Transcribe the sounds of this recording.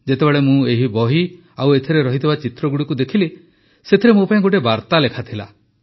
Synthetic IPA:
d͡ʒet̪ebeɭemũeɦibɔɦi | awet̪ʰiɾeɾɔɦit̪ʰibat͡ʃit̪ɾɔɡuɽikud̪ekʰile | set̪ʰiɾemupaĩɡoʈ̬ebaɾt̪alekʰat̪ʰila̰

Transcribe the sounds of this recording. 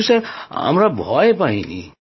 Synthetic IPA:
sʌɾɦa̰mɾabʱɔepaɦinḭ

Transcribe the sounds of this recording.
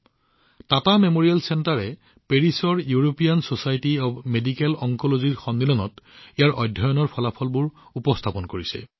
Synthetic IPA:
tatamemoɹijalsɛntaɹɛ | peɹisɔɹjuɹopijansosajtiɔbmedikɛlɔŋkɔloziɹxɔnd̪ilɔnɔ̰tijaɹʔɔjdʱɔjɔnɔɹpʰɔlapʰɔlbʊɹupɔstʰapɔnkoɹisɛ̰

